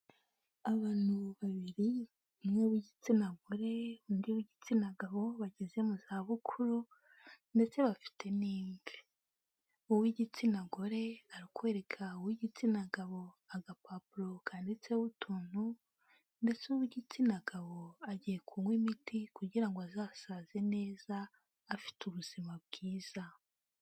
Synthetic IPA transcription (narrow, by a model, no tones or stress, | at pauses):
aβaːn̥huβaβiɾi | umŋeβiɟit͡sinaɡoɾe̞undiwiɟit͡sinaɡaβo̞βaɟezemuzaβukʰuɾu | nde̞t͡se̞βafi̥tʰe̞niːmɡe | uwiɟit͡sinaɡoɾe̞aɾikwe̞ːɾe̞kʰauwiɟit͡sinaɡaβo̞ | aɡapabulokʰaːndit͡sewutʰuːn̥hu | nde̞t͡suwiɟit͡sinaɡaβo̞aɟije̞kʰumwimitikuɟiɾaŋɡoazaːsaze̞ne̞ːzaː | fi̥tuβuz̥imab̚ɡiːz̥a